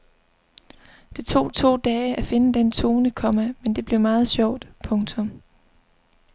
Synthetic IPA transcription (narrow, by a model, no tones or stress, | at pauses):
d̥it͡sʰo̝̰ːt͡sʰo̝̰ːd̥ɛːæfe̝nəd̥ent͡sʰo̝ːnəkʰɒ̽mæmend̥e̝b̥li̝ɐmɑ̈ːð̞̩ˠɕɒʊ̰d̥pʰɔ̽ŋt͡sʰɔ̽m